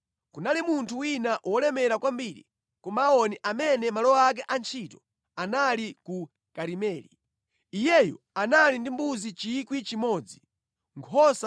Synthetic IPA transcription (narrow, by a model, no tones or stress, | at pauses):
kunalimuntʰuwinaʔwɔlɛmɛɾakwambiɾḭ | kɔmaːɔniʔamɛnɛmalɔak̬ɛʔant͡ʃʰitɔ | analiku | kaɾimɛːli | ijɛjɔ̰ | analindimbuzit͡ʃikwit͡ʃimɔːd͡zi | ŋkʰɔsa